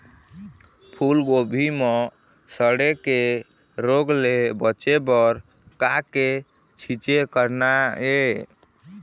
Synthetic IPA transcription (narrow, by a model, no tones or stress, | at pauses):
pʰulɡobʱime | səɽeke | ɾoɡlebət͡ʃebəɾ | kake | t͡ʃʰit͡ʃekəɾnae